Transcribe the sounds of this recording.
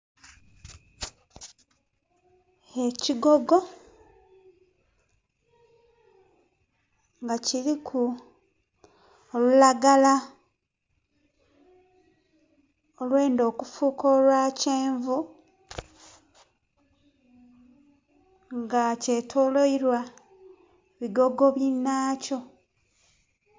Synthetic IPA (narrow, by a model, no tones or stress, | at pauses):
eciɡo̞ɡo̞ | ŋɡaciɾikʰu | olulaɡala | olwe̞ːndo̞ːkufuːko̞ːlwaːceːɱvu | ŋɡace̞ːtʰoːlo̞iɾwa | βiɡo̞ɡo̞βjinːaːco̞